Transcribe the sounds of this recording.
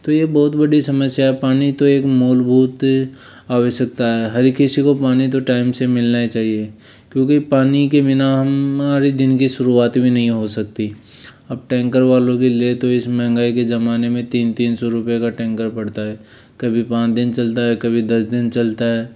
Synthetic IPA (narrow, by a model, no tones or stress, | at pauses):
t̪ojebɔːt̪bɐɽisɐməsjaɦɛpaːnit̪oeːkmoːlbʱuːt̪ | aːʋəʃək̚t̪aɦɛɦɐɾkɪsikopaːnit̪̬oʈaːɪmsemɪlnat͡ʃaːɦie | kjõːkipaːnikebɪnaɦɐmaːɾid̪ɪnkiʃʊɾuaːt̪bʱinɐɦĩɦosɐk̚t̪i | ɐb̚ʈɛ̃ːŋkəɾʋaːlõkeliet̪oɪsmɛ̃ɦɛ̃ŋɡaːikezɐmaːnemẽt̪iːnt̪iːnsɔɾʊpjekaʈɛ̃ːŋkəɾpɐɽt̪aɦɛː | kɐbʱipãːt͡ʃd̪ɪnt͡ʃɐlt̪aɦɛkɐbʱid̪ɐsd̪ɪnt͡ʃɐlt̪aɦɛː